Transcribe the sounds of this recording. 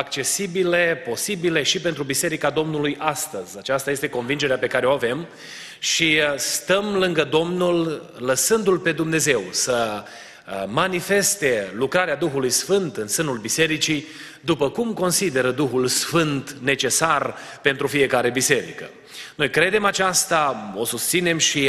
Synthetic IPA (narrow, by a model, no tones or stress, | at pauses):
ak̚t͡ʃe̞sibile̞po̞sibile̞ʃipe̞nt̪ɾubise̞ɾikad̪o̞mnulujʔast̪əzʲat͡ʃast̪aje̞st̪eko̞nvind͡ʒeɾeape̞kaɾeoave̞m | ʃist̪əmlɨŋɡəd̪o̞mnul | ləsɨnd̪ulpe̞d̪umne̞ze̞wsə | manife̞st̪e̞lukɾaɾead̪uxulujsfɨnt̪ɨnsɨnulbise̞ɾit͡ʃi | d̪upəkumko̞nsid̪e̞ɾəd̪uxulsfɨnt̪ne̞t͡ʃe̞sar | pe̞nt̪ɾufije̞kaɾe̞bise̞ɾḭkə | no̞jkɾe̞d̪e̞mat͡ʃast̪ao̞sust̪sine̞mʃi